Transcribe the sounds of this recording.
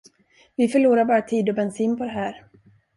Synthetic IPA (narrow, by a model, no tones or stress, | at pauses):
vɪfœɭuːɾaɾbɑːɾat̪ʰiːd̪ɔbɛnsiːnpʰɔd̪ɛɦæːɾ